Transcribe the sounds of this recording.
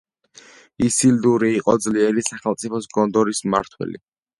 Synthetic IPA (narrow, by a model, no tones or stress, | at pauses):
isild̪uɾiːqʼɔd̪zliɛɾisaχɛlˠt̪sʼipʰɔsɡɔnd̪ɔɾisma̰ɾt̪ʰwɛ̰lḭ